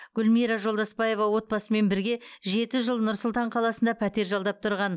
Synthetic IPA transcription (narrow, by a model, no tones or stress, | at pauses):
ɡ̥ʲʏlmijɾɑʒo̞lˠd̪ɑspɑje̞vɑwo̞t̪̚bɑsəme̞nbɪɾɡʲe̞ʒe̞t̪ɪʒəlˠnʊɾsʊlˠt̪ɑɴqʰɑlˠɑsənd̪ɑpʰæt̪e̞ɾʒɑlˠd̪ɑp̚t̪ʰʊɾʁɑn